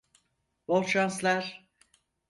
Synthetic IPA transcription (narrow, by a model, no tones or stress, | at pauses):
volˠʃanslˠæɾ̥